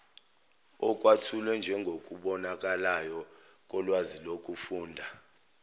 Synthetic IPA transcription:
ɔk̬ʼwatʰulwɛnd͡ʒʱɛŋɡʱok̬ʼuɓɔnak̬ʼalajɔ | k̬ʼɔlwazilokʼufuːndʱa

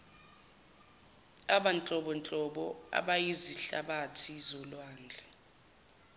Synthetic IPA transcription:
aɓant͡ɬʼɔɓɔnt͡ɬʼɔɓɔa̰ɓajiziɬa̰ɓatʰizɔlwaːnd͡ɮʱɛ

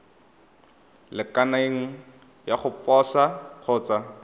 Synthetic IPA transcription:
lɪkanaeŋ̩ | jaχʊpʼɔsaq͡χʰʊːt͡sa

